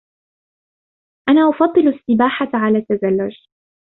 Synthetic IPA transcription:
ʔanaːʔʊfɑd̪ˤːɨlsːɪbaːħaʕalaːt̪ːazalːʊd͡ʒ

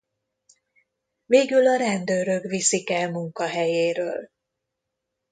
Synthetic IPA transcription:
veːɡylɒɾɛnd̪øːɾø̞kvisikɛlmuŋkɒɦɛjeːɾøːl

